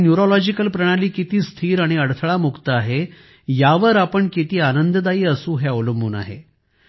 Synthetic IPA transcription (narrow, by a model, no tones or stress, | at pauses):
njuɾɔlɔd͡ʑikəlpɾəɽ̃ãliːkit̪iːst̪ʰiːɾaɽ̃iəɽt̪ʰɭamukt̪əaɦe | jaʋəɾapəɳkit̪iːanənd̪əd̪aiːəsũːɦɛoləmbuːna̰ɦḛ